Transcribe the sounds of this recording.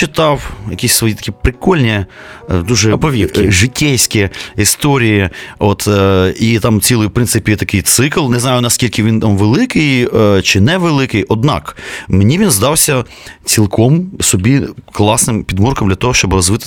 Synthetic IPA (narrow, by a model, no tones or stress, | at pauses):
t͡ʃɪt̪ɑwjɐkʲisʲsʋɔjit̪ɐ̥kʲipɾɪkɔlʲnʲi | d̪uʒɛpɔʋʲiwkʲiʒɪtʲːɛjʲsʲkʲiist̪ɔɾʲijiot̪it̪ɑmt͡sʲilˠʊjʊwpɾɪnsɪpʲijɛt̪ɐkɪjt̪sɪklˠneznɑjʊnɐskʲilʲkɪʋʲint̪amʋelˠɪkɪjt͡ʃɪnɛʋelˠɪkɪjʔɔd̪nɑ̰kmenʲiʋʲinzd̪ɑwsʲɐ | t͡sʲilˠkʰɔmsɔbʲiklˠɑsnɪmpʲid̪murkɔmd̪lʲɐt̪ɔɦɔʃt͡ʃɔbɾɔzʋɪt̪ɪ